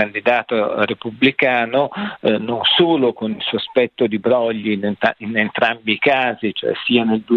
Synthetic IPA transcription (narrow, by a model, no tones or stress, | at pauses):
and̪id̪aːt̪orepublikaːnononsoːlokonilsoaspɛt̪ːod̪ibɾɔʎːinainent̪ɾambikaːzit͡ʃo̰ɛ̰siːaneld̪u